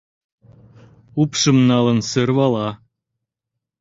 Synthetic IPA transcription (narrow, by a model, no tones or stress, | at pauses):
upʃɤ̆mnɑlɤ̆nsə̆rβɑlˠɑ